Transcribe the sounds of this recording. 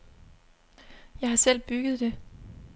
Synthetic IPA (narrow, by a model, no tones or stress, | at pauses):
jɑ̈ɪhɑ̈sel̰b̥yɡ̥ð̞̩ˠd̥e̝